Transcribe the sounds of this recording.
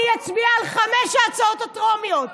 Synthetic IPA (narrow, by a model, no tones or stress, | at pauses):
jat͡sbiaːlχameʃaːt͡saot̪otomjot̪